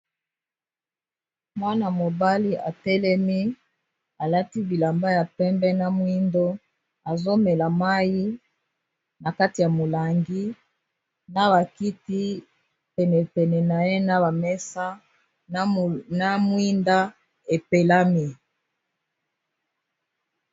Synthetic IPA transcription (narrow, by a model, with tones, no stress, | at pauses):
mwa˦na˨mo˨ba˦li˦ʔa˨tɛ˦lɛ˦mi˦ | a˨la˦ti˦bi˨la˨mba˦ja˨pɛ˦mbɛ˦na˦mwi˦ndo˦ | a˨zo˦mɛ˨la˨ma˦ji˦ | na˨ka˦ti˨ja˨mo˨la˨ŋɡi˦ | na˦βa˨ki˦ti˦ | pɛ˨nɛ˨pɛ˨nɛ˨na˨je˦na˦ba˨mɛ˦sa˦ | na˦mwi˦nda˦ | e˨pe˨la˦mi˦